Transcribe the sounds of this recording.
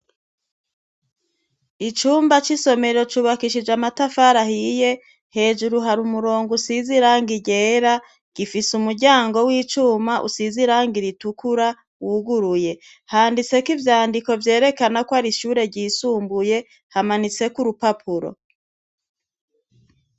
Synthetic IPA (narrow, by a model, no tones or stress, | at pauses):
it͡ʃuːmbat͡ʃiso̞me̞ɾo̞t͡ʃuβakiʃid͡ʒamatafaɾahije̞ | he̞ːʒuɾuɦaɾumuɾo̞ːŋɡusiziɾaːŋɡiɟe̞ːɾa | ɡ̥ifisumuɾɟaːŋɡo̞wiːt͡ʃuːmaʔṵsiziɾaŋɡiɾitukʰuɾa | wuɡuɾuje̞ | haːndit͡se̞kivjaːndiko̞vje̞ːɾe̞kanakwaɾiʃuːɾe̞ɾɟiːsuːmbuje̞ | hamanit͡se̞kuɾupapʰuɾo̞̰